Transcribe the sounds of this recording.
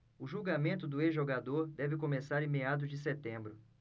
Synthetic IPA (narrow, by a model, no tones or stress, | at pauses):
ʊʒuɡamẽnt̪ʊd̪ʊezʒoɡad̪oɾd̪ɛvɪkõmesaɾẽmead̪ʊzd͡ʒɪs̬et̪ẽmbɾʊ